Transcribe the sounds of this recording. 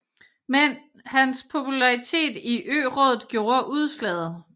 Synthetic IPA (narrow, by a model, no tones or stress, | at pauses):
men | hænspʰo̝pʰulɑ̈ʁit͡sʰe̝̰ːd̥iʔø̰ːʁɔðˠð̩ˠɡ̥jo̝ːɐʔuð̞ˠslɛ̰ð̩ˠ